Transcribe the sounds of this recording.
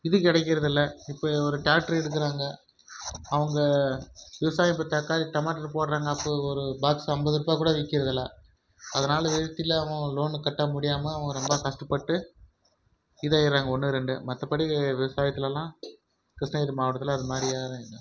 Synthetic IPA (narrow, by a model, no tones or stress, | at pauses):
ɪðɯkɪɽɛk̬ːɪɾɐðɪlːɐɪpːoːɔɾɯʈaːʈɐɾɛɽɯk̬ːɯɾaːŋɡɐ | ɐʋɐŋɡɐʋɪʋɐsaːjpːɐt̪ːɐkːaːɾiʈ̪ɐmaːʈːɐɾpoːɽɾaːŋɡɐːpːoːɔɾɯbaːksɐmbɐðɯɾɯpːaːkuːɽɐʋɛkːɪɾɐðɪlːaː | ɐðɐnaːlɐʋɛɻɐt̪ːɪlːɐɐʋɐ̃loːnkɐʈːɐmʊɽɪjaːmɐːʋɐŋɡɐɾɔmbaːkɐʂʈɐpːɐʈːɯ | ɪðaːjɪɾɾaːŋɡɐɔnːɯɾɛɳɖɯmɐt̪ːɐpɐɽiʋɪʋɐsaːjɐt̪ːɪlɛlːãː | kɾɪʂnɐɪɾmaːʋɐʈːɐt̪ːɪlɐːðɯmaːd̪ɾijaːɾɯ̃ɪnːɐ